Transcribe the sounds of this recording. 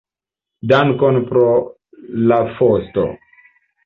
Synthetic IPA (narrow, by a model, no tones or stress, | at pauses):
daŋkonpɾo | lafosto̰